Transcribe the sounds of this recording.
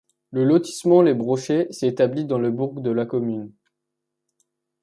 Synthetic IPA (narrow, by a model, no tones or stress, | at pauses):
ləlɔt̪i̥smɑ̃lebʁɔʃesɛet̪ablid̪ɑ̃ləbuʁɡd̪əlakɔmyn